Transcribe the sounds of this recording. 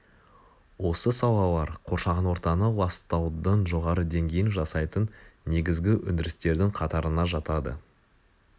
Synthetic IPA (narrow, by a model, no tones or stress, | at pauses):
wo̞səsɑw̪ˠɑlˠɑɾqʰo̞ɾʃɑʁənwo̞ɾt̪ɑnəwɑst̪ɑwd̪ənʒo̞ʁɑɾəd̪e̞ŋɡʲe̞jɪnʒɑsɑjt̪ənːe̞ɡʲɪzɡʲɪʔʉ̰nd̪ɪɾɪst̪e̞ɾd̪ɪŋqʰɑt̪ɑɾənɑʒɑt̪ɑd̪ə̰